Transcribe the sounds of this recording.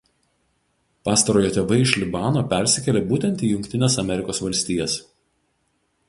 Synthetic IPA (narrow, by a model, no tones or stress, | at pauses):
pɑːst̪ɐɾoːjoːt̪ʲeːʋɐɪɪʃʲlʲɪbɑːnoːpʲɛɾʲsʲɪkʲɛlʲeːbuːt̪ʲɛnt̪ʲiːjʊŋʲkʲt̪ʲɪnʲeːsɐmʲɛɾʲɪkoːsʋɐlʲsʲt̪ʲiːjɛs